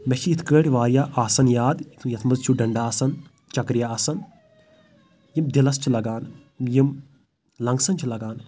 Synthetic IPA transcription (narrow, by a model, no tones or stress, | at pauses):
meʃʰiit̪ʰkəːʈʲiʋaːɾjaːʔaːsɐnjaːd̪t̪ʰjɐt̪ʰmɐzt͡ʃʰuɖɐɳɖaːɐsɐn | t͡ʃɐkɾjaɐsɐn | jimd̪ilɐst͡ʃʰilɐɡaːn | jim | lɐŋɡsɐnt͡ʃʰilɐɡaːn